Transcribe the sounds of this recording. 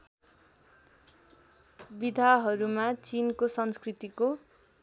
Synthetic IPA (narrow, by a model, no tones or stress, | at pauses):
bid̪ʱaɦʌɾumat͡sinkosʌnskrit̪iko